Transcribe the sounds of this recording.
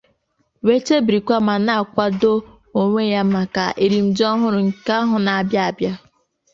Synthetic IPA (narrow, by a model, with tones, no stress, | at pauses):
we˦t͡ʃe˦bɾi˨kʷa˦ma˨na˦a˨kʷa˦do˦ | o˨ŋʷe˦˨ja˦ma˨ka̰˨ʔe˨ɾi˨m̩˨d͡ʒɔ˦ɦʊ˦ɾʊ˨ŋ̩˨ka˦ɦʊ˨na˨a˨bja˦a˨bja˦